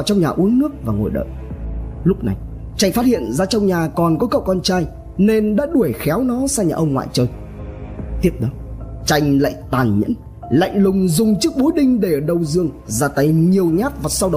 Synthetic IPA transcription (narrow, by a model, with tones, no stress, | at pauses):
wt͡ɕɔ˧wŋ͡mɲaː˨˩ʔu˨˦ənːɨ˦˥ək̚vaː˨˩ŋo̰˨˩jɗə̰ː˧˨jlʊ˦˥k͡p̚na˨˩j | t͡ɕa˧jŋ̟faː˦˥t̚hḭ˧˨ənzaː˧t͡ɕɔ˧wŋ͡mɲaː˨˩kɔ˨˩nkɔ˨˦kə̰˧˨wkɔ˧nt͡ɕaː˧j | ne˧nɗa̰ː˧˥ɗu˧˩əjxɛ˨˦wnɔ˨˦saː˧ɲaː˨ʔə˧wŋ͡mŋwa̰ː˧˨jt͡ɕəː˧˩j | t̪i˦˥əp̚ɗə˨˦t͡ɕa˧˩jŋ̟la̰ː˧˨jt̪aː˨˩nɲə̰˧˥n | la̰˧˨jŋ̟lʊ˨˩ŋ͡mzʊ˨˩ŋ͡mt͡ɕɨ˦˥ək̚ɓu˨˦jɗï˧ŋ̟ɗe˧˩ɗə˨˩wzɨ˧əŋ | zaː˧t̪ə˨˦jɲi˨˩əwɲaː˦˥t̚vaː˨˩sa˧wɗə˨˦w